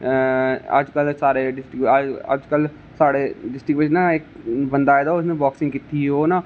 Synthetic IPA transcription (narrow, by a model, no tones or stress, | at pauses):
ə̰d͡ʒkəlsaːɾeɖɪsʈɪkə̰d͡ʒkəl | saːɽeɖɪsʈɾɪkʋɪd͡ʒnãek | bə̃nd̪aːed̪aʊsnẽbɔːksɪ̃ŋɡkit̪ioːnaː